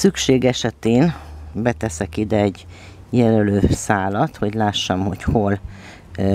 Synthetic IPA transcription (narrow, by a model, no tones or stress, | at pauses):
sykʃeːɡɛʃɛt̪eːnbɛt̪ɛsɛkid̪ɛːɟ | jɛlɛløːsaːlɒt̪ho̞ɟlaːʃːɒmho̞cho̞l